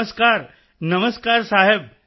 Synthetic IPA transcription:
əskaːɾ | nɐməskaːɾsaːɦɪb̚

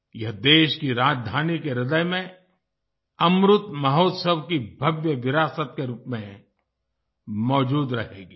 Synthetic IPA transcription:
jɐɦd̪eːʃkiɾaːd͡ʒd̪ʱaːnikeɾɪd̪əjmẽ | ɐmɾʊt̪mɐɦoːt̪səbkibʱɐbjəʋɪɾaːsət̪̚keɾuːpmẽ | mɔːd͡ʒuːd̪ɾɐɦeːɡiː

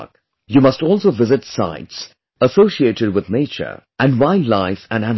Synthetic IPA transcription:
k | jumʌstɔːlˠsoːʋɪzɪʈsa̰ɪts | əsoːʃieːʈɪɖ̚wɪd̪neɪt͡ʃə̰˞ʔæ̃nɖwãɪ̃nlaɪfæ̃næ̃n

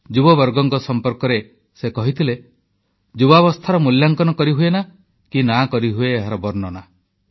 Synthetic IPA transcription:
d͡ʒubɔbɔɾɡɔŋkɔsɔmpɔɾkɔɾe | sekɔɦit̪ʰile | d͡ʒubaβɔst̪ʰaɾɔmuljaŋkɔnɔkɔɾiɦuena | kinakɔɾiɦueːɦaɾɔbɔɾnɔna

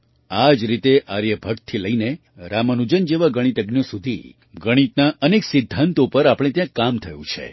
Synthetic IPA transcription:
ad͡ʒɾit̪eʔaɾjəbʱək̚tt̪ʰiləine | ɾamənud͡ʒənd͡ʒeʋaɡəɽ̃it̪əɡnijosud̪ʱḭ | ɡəɽ̃it̪naʔəneksɪd̪ʱːant̪opəɾapɽ̃et̪jãkamt̪ʰəjũt͡ʃʰḛ

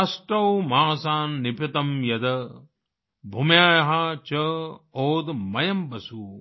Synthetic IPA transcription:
sʈɾɐwmaːsaːnːipʰɐt̪ɐmjɐd̪ɐ | bʱumjaːjɐɦɐt͡ʃɐoːd̪mɐjɐmbɐsu

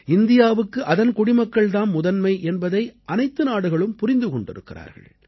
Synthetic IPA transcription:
ɪnd̪ɪjaːʋɯkːɯʔɐðɐnkʊɽɪmɐkːɐɭt̪aːnmʊðɐnmɐɪʔɛnbɐðɐɪʔɐnɐɪt̪ːɯnaːɽɯɣɐɭɯmpʊɾɪnd̪ɯkɔɳɖɪ̰ɾɯkːɪra̰ːɾɣɐ̰ɭɭ

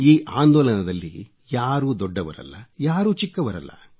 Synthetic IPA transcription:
iːʔaːnd̪ɔːlɐnɐd̪ɐlːḭ | jaːɾuːd̪ɔɖːɐʋɐ̰ɾɐ̰lːɐjaːɾuːt͡ʃikːɐʋɐɾɐ̰lːɐ̰

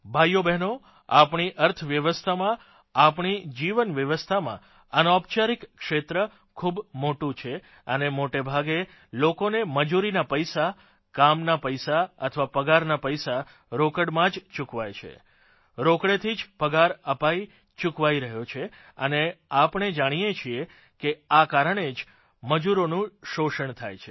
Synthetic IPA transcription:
bʱajːobɛɦno | apɳiʔəɾt̪ʰʋjəʋəst̪ʰamã | apɳid͡ʒiʋənʋjəʋəst̪ʰamã̰ | ənɔpt͡ʃaɾikkːʂet̪ɾə | kʰubmoʈũt͡ʃʰe | ənemoʈebʱaɡe | lokoneməd͡ʒuɾinapəjsa | kamnapəjsaə̰t̪ʰəʋapəɡaɾnapəjsa | ɾokəɽmãd͡ʒt͡ʃukʋajt͡ʃʰḛ | ɾokɽet̪ʰid͡ʒpəɡaɾəpai | t͡ʃukʋaiɾəɦjot͡ʃʰe | əneapəɳ̃ed͡ʒaɽ̃ijet͡ʃʰie | keakaɾəɳ̃ed͡ʒ | məd͡ʒuɾonũʃoʃəɳt̪ʰa̰jt͡ʃʰe

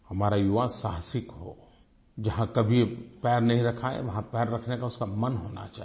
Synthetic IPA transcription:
hɐmaːɾajʊʋasaɦsɪkɦo̰ | d͡ʒɐɦãkɐbʱipɛːɾnɐɦĩɾɐkʰaḛʋɐɦãpɛːɾːɐkʰnekaʊskamɐnɦoːna̰t͡ʃa̰ːɦi

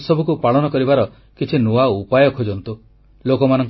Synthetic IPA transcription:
sɔbʱukupaɭɔnɔkɔɾibaɾɔ | kit͡ʃʰinuaupajɔkʰod͡ʒɔnt̪u | lokɔmanɔŋk

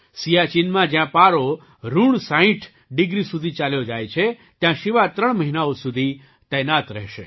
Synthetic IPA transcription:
sijat͡ʃinmãd͡ʒjãpaɾo | ɾuɳsaĩʈʰ | ɖɪɡɾisud̪ʱit͡ʃaljod͡ʒajt͡ʃʰe | t̪jãʃɪʋat̪ɾəɳməɦinaosud̪ʱi | t̪ɛnat̪ɾɛ̰ɦʃe

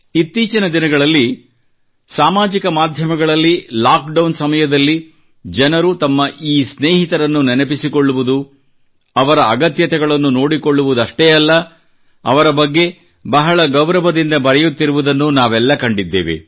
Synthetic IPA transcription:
it̪ːiːt͡ʃɐnɐd̪inɐɡɐɭɐlːi | saːmaːd͡ʒikɐmaːd̪ʱjɐmɐɡɐɭɐlːilaːkɖɐwnsɐmɐjɐd̪ɐlːi | d͡ʒɛnɐɾut̪ɐmːɐʔiːsneːɦit̪ɐɾɐnːunɛnɐpisikoɭːuʋud̪u | ɐʋɐɾɐːɡɐt̪jɐt̪ɛɡɐɭɐnːuno̞ːɽikoɭːuʋud̪ɐʂʈeːɐlːɐ̰ː | ʋɐɾɐbɐɡːe̞ | bɐɦɐɭɐɡɐwɾɐʋɐd̪ind̪ɐbɐɾɛjut̪ːiɾuʋud̪ɐnːunaːʋɛlːɐkɐɳɖid̪ːḛːʋḛ

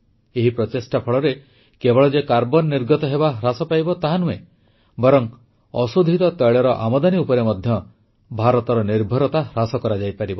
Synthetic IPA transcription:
eɦipɾɔt̪esʈapʰɔɭɔɾe | kebɔɭɔd͡ʒekaɾbɔnːiɾɡɔt̪ɔɦebaɦɾasɔpajbɔt̪aɦanũe | bɔɾɔŋ | ɔsud̪ʱit̪ɔt̪ɔjɭɔɾɔʔamɔd̪aniupɔɾemɔd̪ʱjɔ | bʱaɾɔt̪ɔɾɔniɾbʱɔɾɔt̪aɾasɔkɔɾad͡ʒajpaɾibɔ

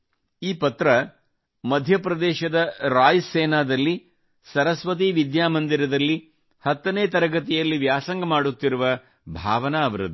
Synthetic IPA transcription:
iːpɐt̪ɾɐ | mɐd̪ʱjɐpɾɐd̪ɛːʃɐd̪ɐɾaːjsɛːnaːd̪ɐlːi | sɐɾɐsʋɐt̪̬iʋid̪jaːmɐnd̪iɾɐd̪ɐlːi | hɐt̪ːɐneːt̪ɐɾɐɡɐt̪̬ijɐlːiʋjaːsɐŋɡɐmaːɽut̪ːiɾuʋɐ | bʱaːʋɐnɐːʋɐɾɐd̪u

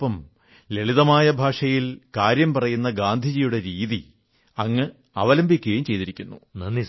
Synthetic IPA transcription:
pːɐm | le̞ɭiðɐmaːjɐbʱaːʂɐjilkaːɾjɐmpɐrɐjunːɐɡaːnd̪ʱid͡ʑijuɽe̞ɾiːði | ɐŋːɨ | ɐʋɐlɐmbʱikʲːejumt͡ɕe̞jt̪iɾikʲːunːunɐnːi

